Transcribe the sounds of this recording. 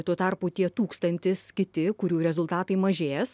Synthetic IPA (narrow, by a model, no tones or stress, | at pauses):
t̪uɔt̪ɑrpuːt̪ʲiɛt̪uːkst̪ɐnʲt̪ʲɪskʲɪt̪ʲɪkʊɾʲuːɾʲɛzʊlˠt̪ɑːt̪ɐɪmɐʒʲeːjɛs